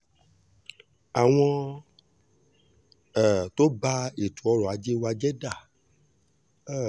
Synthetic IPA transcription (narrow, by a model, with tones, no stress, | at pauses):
a˨w̃ɔ̃˧ | ɛ˨to˦ba˦e˨tʰu˨ɔ˧lɔ˨a˨d͡ʒe˦wa˧d͡ʒɛ˦da˦˨˦